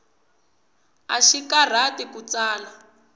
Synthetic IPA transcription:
a̰ʃikar̤atikut͡saːla

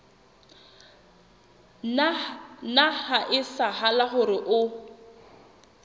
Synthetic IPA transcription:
nahaʔɪsahalaχʊɾɪʔʊ

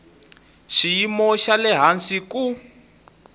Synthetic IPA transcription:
ʃijimɔʃalɛɦansiku

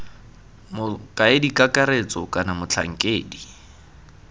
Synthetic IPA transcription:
mʊkʼaɪdikʼakʼaɾet͡sʼɔkʼanamʊt͡ɬʰa̰ŋ̩kʼeːdi

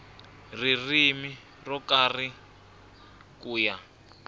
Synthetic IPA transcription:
ririmi | rɔkari | kuːja

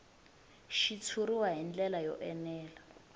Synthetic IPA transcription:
ʃit͡sʰuɾiwaɦind͡ɮɛlajɔ̰ʔɛnɛːla

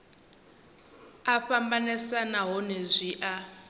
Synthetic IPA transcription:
aɸambanɛsanaɦɔnezʷiʔa

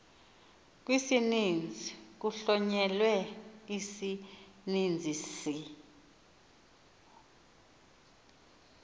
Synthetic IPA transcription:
k̬wisinind͡zʱik̬uɬɔɲɛlwɛisinind͡zʱisi

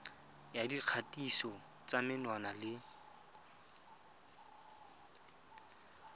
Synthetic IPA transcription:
jadiq͡χʰatʼisɔ | t͡samɪnwanalɪ

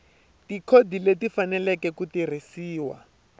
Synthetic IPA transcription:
tikʰodʱiletifanɛlɛkɛkutir̤isiːwa̰

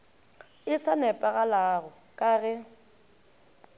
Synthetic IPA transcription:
ɪsanɛpʼaɣalaɣʊ | kʼaɣɛ

